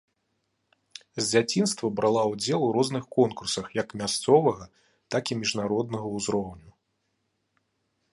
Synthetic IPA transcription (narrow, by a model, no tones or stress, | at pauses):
zʲd͡zʲat͡sʲinst̪vɐbɾʔalˠawd͡zʲɛlˠuɾɔznɨxkɔnkursɐxjɐkmʲast̪sɔvɐɣɐ | t̪akimʲiʐnaɾɔd̪nɐɣɐuzɾɔwnʲu